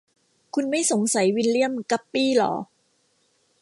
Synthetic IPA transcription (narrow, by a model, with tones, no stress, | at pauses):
kʰu˧nma˥˩jso˩˦ŋsa˩˦jwi˧nli˥˩əmka˦˥pːiː˥˩lɔ̰ː˩˦